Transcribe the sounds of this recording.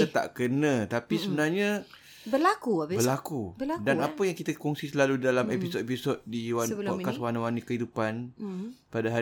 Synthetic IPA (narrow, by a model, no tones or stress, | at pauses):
ət̪a̰ʔkənə̃t̪apisəbənarɲã | bəlakuaəlakubdanapəjaŋkit̪əkɔŋsisəlaludalamepisot̪̚episot̪̚diwanɔkaswanawanikəhidupanpadaɦa